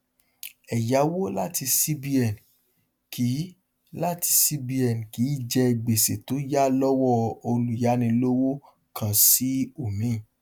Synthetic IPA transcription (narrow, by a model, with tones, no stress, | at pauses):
ɛ˨ja˨˦wo˦la˦ti˧si˦bi˧ɛ˨n | kʰi˨˦ | la˦ti˧si˦bi˧ɛ˨n˨ki˨˦˨d͡ʒɛ˧i˨ɡ͡be˨se˨to˨˦ja˦lɔ˦wɔ˦˨o˧lu˨ja˨˦nĩ˧lo˦wo˦ | kʰã˧si˦o˦˨mĩ˨˦˨